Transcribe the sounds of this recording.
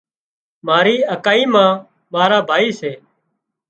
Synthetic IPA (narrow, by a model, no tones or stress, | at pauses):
maːɾiːəkaːiːmãː | maːɾaːbʱaːiːseː